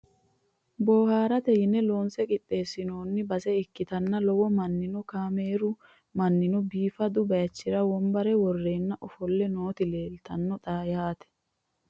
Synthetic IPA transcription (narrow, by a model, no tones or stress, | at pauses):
bo̞ːhaːɾɐt̪ɛhɪnːɛlo̞ːnsɛkʼɪt̪ʼːe̞ːsːɪno̞ːnːɪbɐsɛɪkːɪt̪ɐnːɐlɔwɔmɐnːɪnɔkaːmeːɾʊ | mɐnːɪnɔbiːfɐd̪ʊbɐjɐt͡ʃːɪɾɐwɔmbɐɾɛwɔrːe̞ːnːɐʔɔfɔlːɛno̞ːt̪ɪle̞ːlt̪ɐnːɔt̪ʼaːjaːt̪ɛ̥